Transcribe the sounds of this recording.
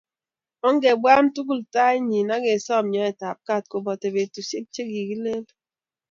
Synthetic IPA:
ɔ˦ŋ˦ɡe˨bwa˦m̩˦tu˦ɡu˦˨lta˦e˦ɲi˨na˦ɡe˨sɔ˦˨m˨ɲɔ˦ɛ˨ta˨p̚ka˦˨t̚ko˨bɔ˨te˨be˨tu˨se˦p̚t͡ʃe˦ɡi˨ɡi˦le˦l

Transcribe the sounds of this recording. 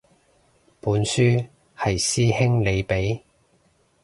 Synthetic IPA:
puː˨˥nsyː˥ | hɐ˨jsiː˥hɪ˥ŋle˨˧jpe˨˥j

